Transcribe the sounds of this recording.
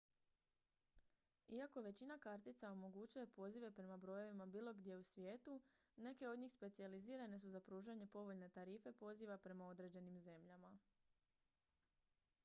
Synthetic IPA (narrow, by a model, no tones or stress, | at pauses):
iako̞ʋe̞t͡ɕinakaɾt̪it̪sao̞mo̞ɡut͡ɕuje̞po̞ziʋe̞pɾe̞mabɾo̞jo̞ʋimabiːlˠo̞ɡd̪ʲje̞usʋje̞ːt̪u | ne̞ke̞o̞d̪ɲiːxspe̞t̪sializiːɾane̞s̬uzapɾuːʒaɲe̞po̞ʋo̞ʎne̞t̪aɾiːfe̞po̞ziːʋapɾe̞mao̞d̪ɾe̞ːd͡ʑe̞nimze̞mʎama